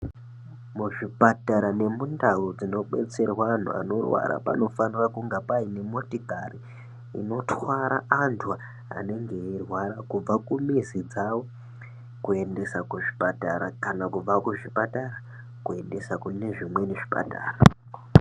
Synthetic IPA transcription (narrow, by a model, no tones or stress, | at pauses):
muʐipataɾane̞mundaud͡zino̞ɓe̞̰t͡se̞rwan̤ṵa̰no̞rwa̰ɾa̰pa̰no̞fanirakuŋɡapaine̞motikaɾi | ḭno̞twaɾaantʰua | a̰ne̞ŋɡe̞ːrwaɾakub͡vakumizid͡zawo̞ | kue̞nde̞sakuʐipataɾakanakub͡vakuʐipataɾa | kue̞nde̞sakune̞ʐimwe̞neʐi̥pa̰ta̰ːra